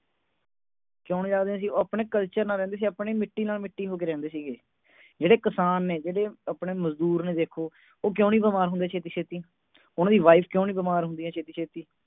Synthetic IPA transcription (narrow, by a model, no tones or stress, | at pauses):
kjõːniːd͡ʒaːɡd̪eːɦãːs̬iːoːaːpɳeːkəlt͡ʃəɾnãːɾɛ̃ːnd̪eːs̬iːaːpɳeːmɪʈːiːnaːlmɪʈːiːɦoːk̬eːɾɛ̃ːnd̪eːsiːɡeː | d͡ʒeːɽeːkəsaːnːeːd͡ʒeːɽeːapɽeːməzd̪uːɾnẽːd̪eːkʰoː | oːkjõːniːbəmaːɾɦʊ̃nd̪eːt͡ʃʰeːt̪̬iːt͡ʃʰeːt̪iː | ʊnãːd̪iːʋaːipʰkjõːniːbəmaːɾɦʊnd̪iːɦɛ̃ːt͡ʃʰeːt̪iːt͡ʃʰeːt̪iː